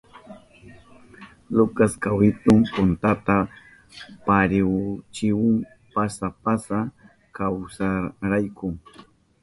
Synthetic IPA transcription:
lʊkaskawɪt̪ʊŋpʊnt̪at̪a | paɾɪwt͡ʃɪwʊŋ | pasapasa | kawsaɾajkʊŋ

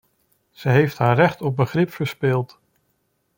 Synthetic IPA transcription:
z̥əɦejftɦaːɹrɛχtɔp̚bəχrɪpfəɹspɪlˠt

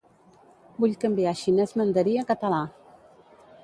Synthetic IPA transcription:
buʎkəmbiaʃinɛzmənd̪əɾiəkət̪əla

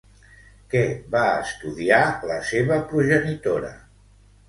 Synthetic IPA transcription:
kɛβaə̰st̪uðialəseβəpɾuʒənit̪oɾə̰

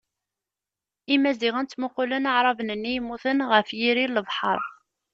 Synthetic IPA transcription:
imːæziʁənt͡s̪ːməqːulənaʕɾˤɑvnənːijmːuθənʁəfjiɾilːəvħə̰ɾˤ

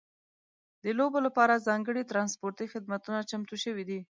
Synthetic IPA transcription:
d̪əlobolapɑɾazɑŋɡəɽit̪ɾɑnspoɾt̪ixɪd̪mat̪unat͡ʃamt̪uʃəwid̪i

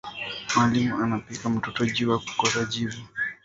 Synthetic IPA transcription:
mwalimuanapikam̩tɔtɔʄuwaku̥kɔsaʄivu

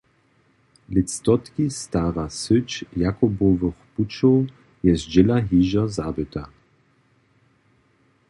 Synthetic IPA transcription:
lʲit̪st̪ɔt̪kʲist̪aʁasʏt͡ɕjakɔbɔvəxput͡ʃɔw | jɛsd͡ʑɛlaɦiːʑazabɘt̪a

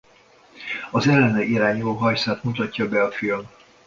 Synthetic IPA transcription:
ɒzɛlːɛnɛʔiɾaːɲuloːɦɒjsaːt̪mut̪ɒcːɒbɛɒfilm

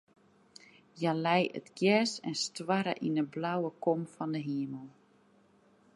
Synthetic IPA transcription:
jalɛjə̰tɡjɛsɛ̰nstwaɾə̰ʔinəblawəkɔmfɔndəɦiəməlˠ

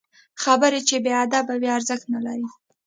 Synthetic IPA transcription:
xabəɾet͡ʃebead̪abaweaɾzəxt̪nalaɾi

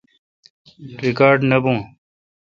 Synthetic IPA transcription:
ɾikaːɾɖnɐbũː

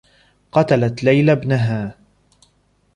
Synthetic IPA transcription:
qɑt̪alat̪lajlabnaɦaː

